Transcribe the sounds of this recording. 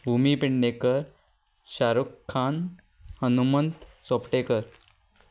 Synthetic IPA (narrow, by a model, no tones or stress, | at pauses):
bʱumipiɳːekəɾ | ɕaɾukʰːan | hənumənt̪sopʈekəɾ